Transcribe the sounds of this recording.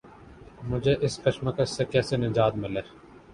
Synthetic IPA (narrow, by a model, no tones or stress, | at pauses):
mʊd͡ʒʱeʔɪskɐʃməkəʃsekɛːsenɪd͡ʒaːd̪mɪleː